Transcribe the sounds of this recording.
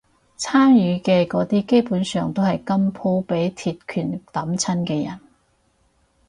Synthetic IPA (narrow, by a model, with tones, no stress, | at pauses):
t͡sʰaː˥njyː˨˧kɛː˧kɔː˨˥t̪iː˥ke˥jpuː˨˥nsœː˨˧ŋt̪o˥whɐ˨jkɐ˥mpʰo˥wpe˨˥jt̪ʰiː˨˧t̚kʰyː˨˩nt̪ɐ˨˥mt͡sʰɐ˥nkɛː˧jɐ̰˨˩n